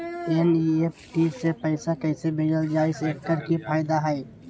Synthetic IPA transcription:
ɛniepʰʈiːsepɛɪsakɛːsebeɖəld͡ʒaːɪseːkkəɾkipʰaːɪd̪aɦɛː

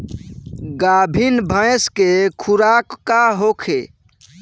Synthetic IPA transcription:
ɡabʱinbʱə̃jskekʰuɾakːaɦokʰe

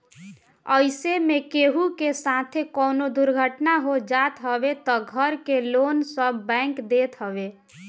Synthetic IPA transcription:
əɪsemekeɦukesat̪ʰekənod̪uɾɡʱəʈnaɦod͡ʒat̪ɦəbet̪ɔɡʱəɾkelonsəbːɛ̃ɪŋkd̪et̪ɦəbe

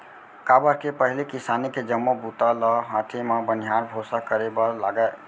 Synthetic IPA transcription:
kabəɾkepəɦilikisaniked͡ʒəmːobʱut̪alɔɦãt̪ʰimabənijaɾbʱosakəɾebəlaɡəe

